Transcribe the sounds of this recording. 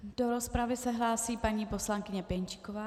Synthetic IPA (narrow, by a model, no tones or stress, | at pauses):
d̥oɾospɾavɪsɛɦlaːsiːpaɲiːpo̞slaŋkɪɲɛpɛɲt͡ʃɪ̥kovaː